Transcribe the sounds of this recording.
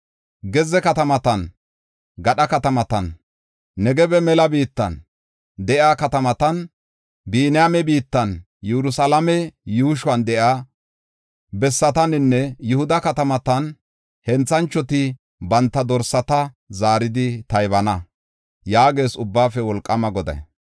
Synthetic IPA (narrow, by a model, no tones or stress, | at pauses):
ɡɛzɛkɐt̪ɐmɐt̪ɐn | ɡɐɗɐkɐt̪ɐmɐt̪ɐnː | ɛɡɛbɛmɛlɐbiːt̪ːɐ̰n | d̪ɛʔjaːkɐt̪ɐmɐt̪ɐn | biːnɪjamɛbiːt̪ːɐn | jɛɾʊsalɐmɛjuːʃʊwɐnd̪ɛʔaː | bɛsːɐt̪ɐnɪnːɛjʊhʊd̪ɐkɐt̪ɐmɐt̪ɐn | hɛnt͡sːɐnt͡ʃːɔt̪ɪ | bɐnt̪ːɐd̪ɔɾsːɐt̪ɐ | zaːɾɪd̪ɪt̪ɐjβɐnɐ | jaːɡe̞ːsʊbːaːfɛwɔlkʼːɐmɐɡɔd̪ɐ̰j